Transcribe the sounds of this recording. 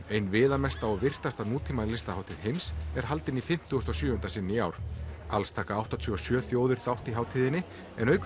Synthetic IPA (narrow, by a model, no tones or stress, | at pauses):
ejnvɪːðamɛst̪aɔɣvɪr̥t̪ast̪anuːt̪ʰiːmalɪst̪ahawt̪ʰiðɦejmsɛɾ̥ɦalt̪ɪnifɪm̥t̪ʏɣʏst̪ɔsjʏːhʏnt̪asɪnːɪiaːwɾ̥alst̪ʰaːkaawht̪ɔt̪ʰʏɔsjœːθjoːwðʏɾ̥θawht̪iɦaːwt̪ʰiːðɪnːɪ | ɛ̰nœɥk